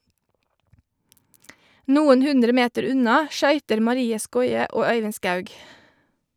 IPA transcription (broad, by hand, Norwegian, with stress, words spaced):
ˈnuːən ˈhʉndɾə ˈmeːtəɾ ˈʉnɑ ˈʃœʏtəɾ mɑˈɾiːə ˈskɔʏə ˈoː ˈœʏʋɪn ˈskɑʉɡ